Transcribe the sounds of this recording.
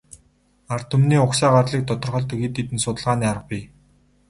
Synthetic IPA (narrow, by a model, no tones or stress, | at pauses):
ar̥t̪ʰɵmniːʊksaːɢarɮiːk̚t̪ɔt̪ɞ̆rχɔ̆ɮt̪ɵxiːt̪ːit̪ɘ̆nsʊt̪ə̆ɮʁaːniːaɾə̆q̚piː